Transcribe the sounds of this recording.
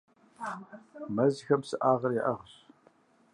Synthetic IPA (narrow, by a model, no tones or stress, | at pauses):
mɐzxɐmsɨʔaːʁɐrjɛʔɐʁɕ